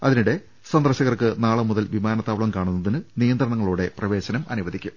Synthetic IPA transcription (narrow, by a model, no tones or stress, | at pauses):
ɐðinuɽe̞ | sɐnd̪ɐrɕɐɣɐrkɨnaːɭɐmuðɐlʋimaːnɐt̪ːaːʋɭɐmkaːɳunːɐðinɨnijɐnd̪rɐɳɐŋːɐɭuːɽe̞prɐʋe̞ːɕɐnɐmɐnuʋɐðikʲːum